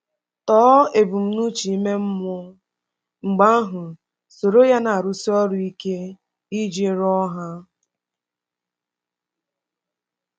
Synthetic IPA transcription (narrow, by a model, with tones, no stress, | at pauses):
tɔː˨˦e˨bu˨m̩˦nu˦t͡ʃi˨i˦me˦m̩˦mɔ˦ | ŋ͡m̩˨ɡ͡ba˦ɦʊ˨ | so˨ɾo˦ja˦na˨a˨ɾʊ˨si˦ɔ˦ɾʊ˨i˦ke˦ | i˦d͡ʒe˦ɾɔ˦ɦa˦